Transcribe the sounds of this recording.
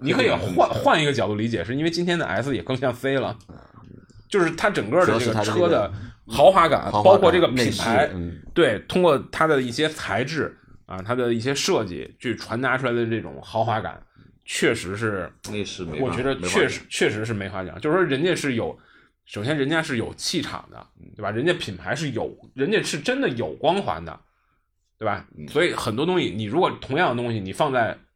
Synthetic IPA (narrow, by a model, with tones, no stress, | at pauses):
ni˨˩kʰɤ˧˥i˨˩a˥˧xwa˥˩ni˧˥ɡə˧t͡ɕjɑ˨˩ʊt̪u˥˩li˧˥t͡ɕjɛ˨˩ʂɻ̩˥˩˧i˥nwe˥˧ɪt͡ɕi˥nt̪ʰjɛ˥ndə˨ʔa̰˧˥ɪsɹ̩˥˧jɛ˨˩kɤ˥˧ŋɕjɑ˥˩ŋfe˥ɪlə̰˨ | t͡ɕjo˥˧ʊʂɻ̩˥˩t̪ʰa˥ʈ͡ʂɤ˨˩ŋkə˥˧də˧ʈ͡ʂɤ˩ɡəɤ˥d̪ə˨xɑ˧˥ʊxwa˧˥ka̰˨˩npɑ˥ʊkʰwɔ˥˧ʈ͡ʂɤ˥˩ɡə˩pʰi˨˩pʰa˧˥ɪt̪we˥˩ɪt̪ʰʊ˥ŋkwɔ˥˩t̪ʰa˥d̪ə˨i˥˩ɕjɛ˥t͡sʰa˧˥ɪʈ͡ʂɻ̩˥˩ | ɐ̰˨t̪ʰa˥d̪ə˨i˥˩ɕjɛ˥ʂɤ˥˧t͡ɕḭ˥˩t͡ɕʰy˥˩ʈ͡ʂʰwa˧˥nt̪a˧˥ʈ͡ʂʰu˥la˧˥ɪd̪ə˧ʈ͡ʂɤ˥˩ʈ͡ʂʊ̰˨˩˦ŋxɑ˧˥ʊxwa˧˥ka̰˨˩˦n | t͡ɕʰɥɛ˥˩ʂɻ̩˧˥ʂ̬ɻ̩˥˩˧ | wɔ˨˩t͡ɕɥɛ˧˥ə˧t͡ɕʰɛ˥˧ʂ̩˧˥t͡ɕʰɥɛ˥˩ʂɻ̩˧˥ʂ̬ɻ̩˥˩me˧˥ɪxwa̰˧˥˩ŋt͡ɕjo˥˧ʊ˩wɔ˥ɻə˧˥nt͡ɕjɛ˥˧ʂɻ̩˥˩jo˨˩ʊ | ʂo˨˩ʊɕjɛ˥nɻə˧˥nt͡ɕja˥ʂɻ̩˥˩jo˨˩ʊt͡ɕʰi˥˩ʈ͡ʂʰɑ̰˨˩ŋd̪ə̰˦tt̪we˥˩ba˩ɻə˧˥nt͡ɕjɛ˥pʰi˨˩npʰa˧˥ɪʂɻ̩˥˩jo˨˩ʊɻə˧˥nt͡ɕjɛ˥˩ʂɻ̩˥˩ʈ͡ʂə˥nd̪ə˨jo˨˩ʊkwɑ˥ŋxwa̰˧˥nd̪ə̰˧ | t̪we˥˩ba̰˩swɔ˧˥i˨˩xə˨˩nt̪wɔ˥t̪̬ʊ˥ŋɕi˨˩ni˨˩ɻu˧˥kwɔ˨˩t̪ʰʊ˧˥ŋjɑ˥˩ŋd̪ə˩t̪ʊ˥ŋɕi˨˩ni˨˩fɑ˥˧ŋt͡sa˥˩ɪ